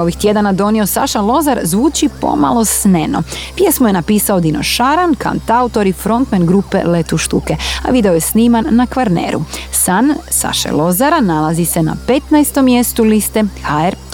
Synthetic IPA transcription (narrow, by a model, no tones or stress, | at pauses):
oʋixt̪je̞d̪anad̪o̞nio̞saʃalˠo̞zaɾzʋuːt͡ʃipo̰ma̰lˠo̞sneno̞̰pje̞smojenapiːsaod̪ino̞̰ʃaɾanka̰nt̪aut̪o̞ɾifɾo̞nt̪menɡɾupḛlet̪uʃt̪uke̞a̰ʋid̪eojesniːmanːakʋaɾnḛːɾṵsansa̰ʃḛlˠo̞zaɾanalˠazisena̰pe̞t̪najst̪o̞mːje̞st̪ulist̪exaeɾ